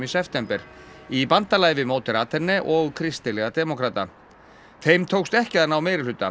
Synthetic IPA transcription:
misɛft̪ɛmpɛɾ̥ipant̪alaːjvɪmoːwt̪ɪɾat̪ʰɛnːɛʔɔɣkʰɾɪst̪ɪlɛɣad̪ɛmɔkʰɾaːt̪a | θejmt̪ʰoːwkst̪ɛhcɪðanːawmeːjɾɪlʏt̪ːa

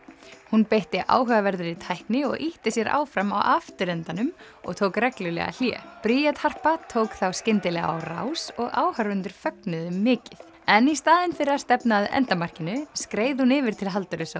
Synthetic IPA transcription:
hunpejht̪ɪʔa̰ːwɦœɣavɛɾðʏɾit̪ʰajhknɪɔ̰ɣʔiht̪ɪsjɛɾʔa̰ːwfɾama̰wʔaft̪ʏɾɛnt̪anʏm | ɔ̰ɣt̪ʰoːwkrɛklʏlɛ̰ɣa̰l̥jɛ̰ːpɾiːjat̪ʰhar̥pat̪ʰoːwkθawscɪnt̪ɪlɛɣaa̰wra̰wsɔɣʔaːwhœɾʏnt̪ʏɾ̥fœknʏðʏːɪːcɪθ | ɛnist̪aːðɪnfɪɾɪḁst̪ɛpnaðɛ̰nt̪amar̥cɪnʏskɾeːjðɪhunɪːvɪɾ̥t̪ʰɪlɦalt̪œɾɪsa

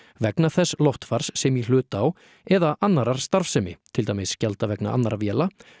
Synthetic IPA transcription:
vɛknaθɛsːlɔwht̪faɾ̥sːɛmjɛl̥ʏːt̪aw | ɛðaʔanːaɾaɾ̥st̪aɾfsɛmɪ̰t̪ʰɪlt̪aːjmɪsːcalt̪avɛkna̰ʔa̰nːaɾavjɛːla

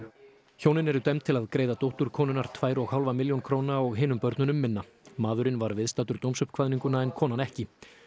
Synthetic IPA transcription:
çoːwnɪnɛɾʏt̪ɛmt̪ʰɪlaðkɾeːjðat̪owht̪uɾ̥kʰɔːnʏnaɾ̥t̪ʰvaːjɾɔɣhawlvamɪljownkʰɾownaɔɣɦeːnʏmpœɾt̪nʏnʏmːɪnːamaːðʏɾɪnvaɾvɪðst̪aːt̪ʏɾ̥t̪owmsœpkʰvaðniŋkʏnaɛnkʰɔːnanɛhcɪ

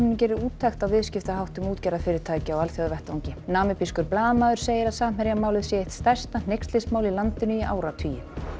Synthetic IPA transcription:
ʏnʏc̬ɛːɾɪɾuːt̪ʰːajxt̪aðvɪðscɪft̪aɦawht̪ʏmuːt̪cɛjɾafɪːɾɪɾt̪ʰaːjcɪawalθjɔðvɛht̪vawɲcɪnaːmɪpiskʏɾplaːðmaːðʏɾ̥seːjɪɾaðsaːm̥hɛɾjamaːwlɪðsjɛeht̪st̪aj̥st̪nanejkst̪lɪsmaːwlilant̪ɪnʏiʔa̰ːwɾat̪ʰiːjʏm

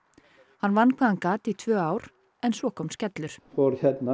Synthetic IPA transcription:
hanvanːkʰɛðankaːt̪it̪ʰvœːaːwɾ | ɛnsvɔkʰɔːmscɛt̪lʏɾ̥fɔɾçɛt̪na

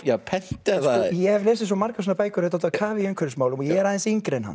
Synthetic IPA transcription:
japʰɛn̥t̪aθajɛhɛvlɛːsɪsɔmaɾkavs̬oːnapaːjkʏɾʏt̪at̪ːakʰaːvɪiʏŋkʰvʏɾsmaːwlʏmɔjɛɛɾaːðɛnsiŋkɾɛnha̰n

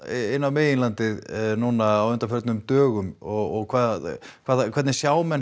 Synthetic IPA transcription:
ɪnːawmeːjɪnlant̪ɪðnunaːwʏnt̪afœɾt̪nʏmt̪œːɣʏmɔɣɔɣkʰvaːðkʰvaːðakʰvɛɾt̪nɪsjaːwmɛn

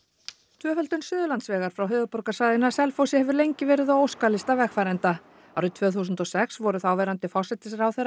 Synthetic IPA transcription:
t̪ʰvœːfœlt̪ʏnsʏːðʏlant̪svɛːɣaɾ̥fɾawɦœːvʏpɔɾkḁsaːjðɪnasɛlfosɪhɛvʏɾlejɲcɪvɛːɾɪðawowskalɪst̪avɛxfaːɾɛnt̪a | awɾɪt̪ʰvœːθus̬ʏnt̪ɔsɛksvɔɾʏθawvɛɾant̪ɪfɔr̥sɛt̪ɪsɾawθejra

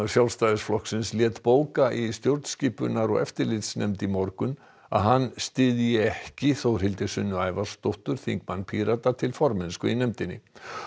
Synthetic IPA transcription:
sjawlst̪aːðɪsflɔhksɪnsljɛːt̪poːwkaʔist̪jowɾt̪sciːpʏnaɾɔɣɛ̰ft̪ɪɾlɪt̪snɛmt̪imɔɾkʏn | a̰ðɦanːst̪ɪðjɪɛhcɪθowr̥ɪlt̪ɪsʏnːʏaːjvaɾ̥st̪oht̪ʏɾ̥θiŋkmanːpʰiːɾat̪at̪ʰɪlfɔɾmɪnskʏinɛmt̪ɪnːɪ̰

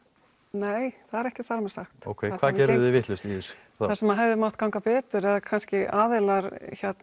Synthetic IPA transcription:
neːjθaðɛɾɛhcɪθaɾmɛɾ̥saxt̪o̰wkʰeːjkʰvaːðcɛɾððɪvɪht̪lʏst̪iðs | θaɾsɛmːaðɦɛvðɪmawht̪kawŋkapɛːt̪ʏɾɛðakʰanscɪaːðɪlaɾçɛt̪

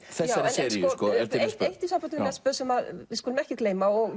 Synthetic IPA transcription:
θɛjsːaɛnsɛɾɔskɔɛɾt̪jspejht̪is̬ampɔt̪ɪnmɛspœðsɛmaðvɪskulʏmɛhcɪkleːjmaɔɣ

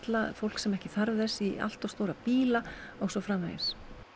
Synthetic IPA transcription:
t̪lafowl̥ksɛmɛhcɪθaɾvðɛsia̰l̥t̪ɔw̥st̪oːwɾapiːlaɔwsɔwfɾaːma̰jɪ̰s

